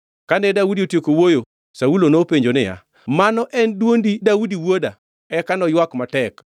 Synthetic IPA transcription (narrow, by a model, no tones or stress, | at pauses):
kanɛdaudiotjekowojo | saulonopeɲd͡ʒonɪja̰ | manɔʔɛndwondidaudiwoda | ɛkanɔjwakmatɛk